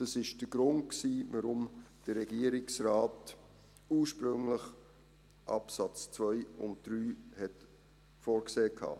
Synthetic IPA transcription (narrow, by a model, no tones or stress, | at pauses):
d̥ɑsɪʃd̥əɡ̥ɾʊntksiːvəɾʊmd̥əːɛɡiəɾɪksraːt | uːɹʃpɾʏŋləχ | ʔɑ̰psɑt͡st͡svœʏʊnt̚d̥ɾyːhɛt | foːɾkseːkʰɑ̰ː